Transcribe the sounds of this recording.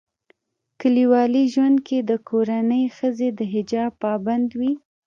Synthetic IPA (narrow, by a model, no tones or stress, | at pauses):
kəliwɑliʒwand̪̚kʰed̪əkʰoɾanəjxəzed̪əɦɪd͡ʒɑb̚pɑband̪wi